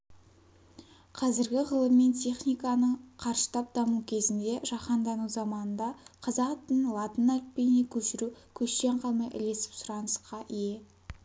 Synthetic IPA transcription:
qʰɑzɪɾɡʲɪʁəlˠəmːe̞nt̪ʲʰe̞χnijkɑnəɴqʰɑɾʃə̥t̪ʰɑp̚d̪ɑmukʲʰe̞zɪnd̪e̞ʒɑχɑnd̪ɑnuzɑmɑnənd̪ɑqʰɑzɑt̪ənlˠɑt̪ənælt̚pe̞jne̞kʲʰɵʃɪɾukʲʰɵʃt̪e̞ɴqʰɑlˠmɑjʔɪ̰le̞sɪ̥psʊɾɑnəsəqːɑʔɪje̞

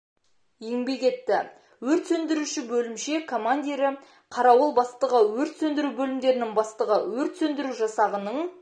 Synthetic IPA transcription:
e̞ŋbe̞kʲe̞t̪ːɪ | wɵɾt̪sɵnd̪ɪɾuʃɪbɵlɪmʃe̞kʰo̞mand̪ʲiɾɪ | qʰɑɾɑwəlˠbɑst̪əʁəwɵɾt̪sɵnd̪ɪɾubɵlɪmd̪e̞ɾɪnɪŋbɑst̪əʁəwɵɾt̪sɵnd̪ɪɾuʒɑsɑʁənəɴ

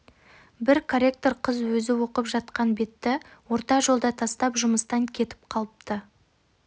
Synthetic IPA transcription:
bɪɾkʰoɾʲek̚t̪o̞ɾqʰəzwɵzɪwo̞qəpʒɑt̪qɑnbe̞t̪ːɪwo̞ɾt̪ɑʒo̞lˠd̪ɑt̪ʰɑst̪ɑpʒʊməst̪ɑŋkʲʰe̞t̪ɪ̥p̚qʰɑlˠəp̚t̪ə

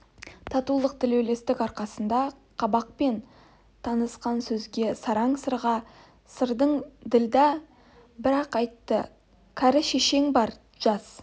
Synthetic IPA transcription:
t̪ʰɑt̪ulˠəq̚d̪ɪlewle̞st̪ɪkɑɾqɑsənd̪ɑ | qʰɑbɑq̚pe̞n | t̪ʰɑnəsqɑnsɵzɡʲe̞sɑɾɑɴsəɾʁɑ | səɾd̪əɴd̪ɪld̪ɑ | bɪɾɑqɑjt̪ːə | kʲʰæɾɪʃeʃe̞ŋbɑɾ | ʒ̥ɑs

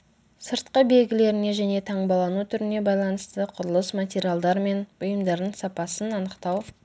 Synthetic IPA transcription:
səɾt̪̚qəbe̞lɡʲɪle̞ɾɪne̞ʒæne̞t̪ʰɑɴbɑlˠɑnut̪ʰʏɾɪne̞bɑjlˠɑnəst̪əqʰʊɾəlˠəsmatʲeɾʲijalˠd̪ɑɾme̞nʊjəmd̪ɑɾd̪əɴsɑpɑsənɑnəqt̪ɑw

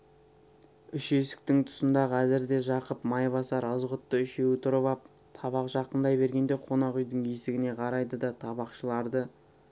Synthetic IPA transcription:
ʏʃe̞sɪ̥k̚t̪ɪŋt̪ʰʊ̥sənd̪ɑʁʰæzɪɾd̪e̞ʒɑqəpmɑjbɑsɑɾəzʁət̪ːəʏʃe̞wɪt̪ʰʊɾəβɑp̚ | t̪ʰɑβɑqʒɑqənd̪ɑjbe̞ɾɡʲe̞nd̪eqʰo̞nɑqʏjd̪ɪŋe̞sɪɡʲɪne̞qʰɑɾɑjd̪əd̪ɑt̪ʰɑbɑqʃəlˠɑɾd̪ə

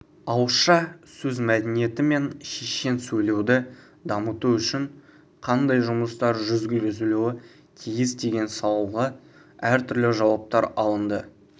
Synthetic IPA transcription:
ɑwəsʃɑsɵzmæd̪ɪnije̞t̪ɪme̞nʃeʃe̞nsɵjle̞wd̪ɪ | d̪ɑmət̪uʏʃɪɴ | qʰɑnd̪ɑjʒʊməst̪ɑɾʒʏzɡʲɪlɡʲɪzɪluwɪ | kʲʰijɪsd̪e̞ɡʲe̞nsɑlˠuʁɑ | æɾt̪ʰʏɾlɪʒɑwɑp̚t̪ɑɾɑlˠənd̪ə

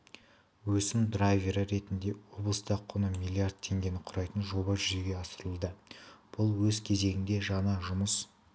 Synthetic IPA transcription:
wɵsɪmd̪rajviɾəɾe̞t̪ɪnd̪e̞wo̞blˠəst̪ɑqʰːonəmijlʲˠiard̪̚t̪ʰːe̞ŋɡʲe̞nɪqʰʊɾɑjt̪ənʒo̞bɑʒʏʒeɡʲe̞ɑsəɾəlˠd̪əb̥ʊlˠwɵzkʲʰe̞ze̞ɡʲɪnd̪e̞ʒɑnɑʒʊməs

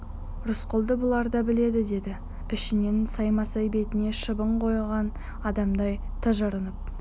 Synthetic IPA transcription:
rʊsqʊlˠd̪əbʊlˠɑɾd̪ɑbɪle̞d̪ɪd̪e̞d̪ɪ | ɪʃɪne̞nsɑjmɑsɑjbe̞t̪ɪne̞ʃəbəɴqʰo̞jʁɑn | ɑd̪ɑmd̪ɑjt̪ʰəʒəɾənəp̚

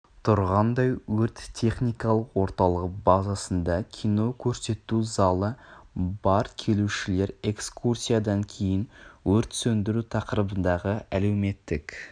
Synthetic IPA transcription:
t̪ʰʊɾʁɑnd̪ɑjwɵɾt̪ʲʰːe̞χnijkɑlˠəqwo̞ɾt̪ɑlˠəq̚bɑzɑsənd̪ɑkʲʰijno̞kʲʰɵɾse̞t̪ːuzɑlˠəbɑɾkʲʰe̞luʃɪle̞ɾe̞kskʰursʲijad̪ɑŋkʲʰe̞jɪnwɵɾt̪sɵnd̪ɪɾut̪ʰɑqəɾəbənd̪ɑʁəæle̞wme̞t̪ːɪk

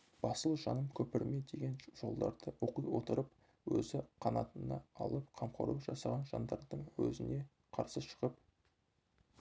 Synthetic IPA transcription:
b̥ɑsəlˠʒɑnəmkʲʰɵpɪɾme̞d̪e̞ɡʲe̞nʒ̥o̞̰lˠd̪ɑɾd̪əwoqujwo̞t̪əɾəp̚ | wɵzɪqʰɑnɑt̪ənɑ̰ɑ̰lˠəpqʰɑmqʰɑ̰ɾuʒɑsɑʁɑnʒɑnd̪ɑɾd̪əɴwɵzɪne̞ | qʰɑɾsəʃə̥ʁəp̚

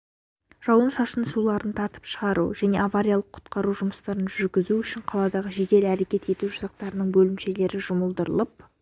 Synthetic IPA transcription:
ʒ̥ɑwˠənʃɑʃənsulˠɑɾənt̪ʰɑɾt̪ə̥pʃəʁɑɾṵʒæne̞̰avaɾʲijalˠəqʰʊ̥t̪qɑɾuʒʊməst̪ɑɾənʒʏɾɡʲɪzuʏʃɪɴqʰɑlˠɑd̪ɑʁəʒe̞ɡ̪ʲe̞læɾe̞kʲe̞t̪e̞t̪uʒʊzɑq̚t̪ɑɾənəɴbɵlɪmʃe̞le̞ɾɪʒʊməlˠd̪əɾəlˠəp̚

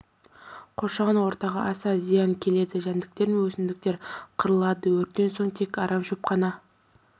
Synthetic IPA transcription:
qʰo̞ɾʃɑʁɑnwo̞ɾt̪ɑʁɑʔɑsɑzijɑŋkʲʰe̞le̞d̪ɪʒænd̪ɪk̚t̪e̞ɾɪnwɵsɪnd̪ɪk̚t̪e̞ɾqʰəɾəlˠɑd̪əwɵɾt̪ːe̞nso̞ɴt̪ʰe̞kɑɾɑmʃopqɑnɑ

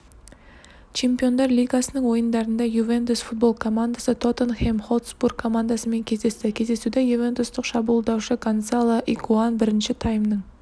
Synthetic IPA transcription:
t͡ʃʰe̞mpijo̞nd̪ɑɾlʲijɡasənəɴwo̞jənd̪ɑɾənd̪ɑjuve̞nt̪usfut̪̚bo̞lˠkʰo̞mand̪asət̪ʰo̞t̪ənχemχo̞lˠt̪sburɡʰo̞mand̪asəme̞ŋkʲʰe̞zd̪e̞st̪ɪkʲʰe̞zd̪e̞sud̪ejuve̞nt̪ʊst̪əqʃɑbulˠd̪ɑwʃəkʰonsalˠəʔikʰuanbɪɾɪnʃɪt̪ʰajmnəɴ

